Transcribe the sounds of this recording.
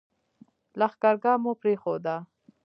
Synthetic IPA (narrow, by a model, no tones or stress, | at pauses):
laxkɑɾɡɑmopɾexod̪a